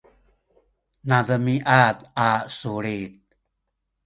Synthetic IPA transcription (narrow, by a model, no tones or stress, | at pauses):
naðəmiʔat̪asuɭit̪̚